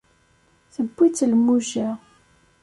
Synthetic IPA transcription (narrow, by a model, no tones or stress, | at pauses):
θəbːit͡sːlmːuʒæ